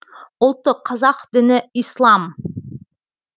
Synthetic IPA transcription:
ʊ̆lˠt̪əqʰɑzɑqd̪̥ɪ̆nɪislˠɑm

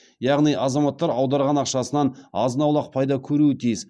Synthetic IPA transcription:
jɑʁnijʔɑzɑmɑt̪ːɑɾɑwd̪ɑɾʁɑnɑqʃɑsənɑnɑ̰zənɑwlˠɑq̚pʰɑjd̪ɑkʲʰɵɾuɪt̪ʰijɪz

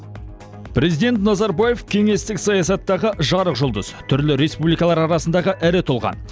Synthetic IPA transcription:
pɾe̞zijd̪e̞nt̪nɑzɑɾbaje̞fkʲʰe̞ŋe̞st̪ɪksɑjɑsɑt̪ːɑʁəʔʒɑɾəqʒʊlˠd̪əz̥t̪ʰʏɾlɪɾe̞spublijkɑlˠɑɾɑɾɑsənd̪ɑʁəʔæɾɪt̪ʰʊlˠʁɑ̰n

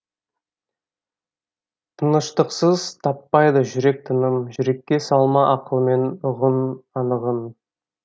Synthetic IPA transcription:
t̪ʰənəʃt̪əqsəzt̪ʰɑpːɑjd̪əʒʏɾe̞k̚t̪ʰənəmʒʏɾe̞kʲːe̞sɑlˠmɑʔɑqəlˠme̞nʊʁənɑnəʁən

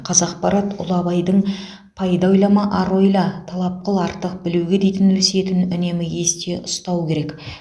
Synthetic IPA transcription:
qʰɑzɑqpɑɾɑt̪ʊ̰lˠɑbɑjd̪əɴ | pʰɑjd̪ɑwjlˠɑmɑʔɑɾo̞jlˠɑt̪ʰɑlˠɑp̚qəlˠɑɾt̪ːəq̚bɪluwɡʲe̞d̪ejt̪ɪnɵlse̞t̪ɪnʏne̞mɪjʲe̞st̪e̞ʔʊst̪ɑwkʲʰe̞ɾe̞k

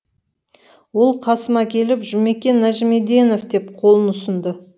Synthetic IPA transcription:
wo̞lˠqʰɑsəmɑkʲʰe̞lɪpʒʊme̞kʲe̞nːæʒɪme̞d̪eno̞fd̪e̞pqʰo̞lˠənʊsənd̪ə

